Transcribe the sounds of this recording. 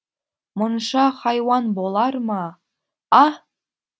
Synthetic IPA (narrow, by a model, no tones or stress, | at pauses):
mŏnʃɑχɑjwɑnbolˠɑɾmɑ | ɑ